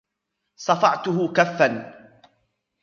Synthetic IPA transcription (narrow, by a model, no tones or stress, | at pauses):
sˤɑfɑʕt̪ʊɦʊkafːan